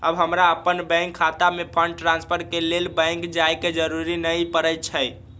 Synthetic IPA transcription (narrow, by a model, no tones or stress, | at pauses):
əbɦəmɾaəpənbə̃ɪŋkʰːat̪amepʰəɳɖ̚ʈɾãnspʰəɾkelelbə̃ŋkd͡ʒajked͡ʒəɾuɾinəjpəɾət͡ʃʰəj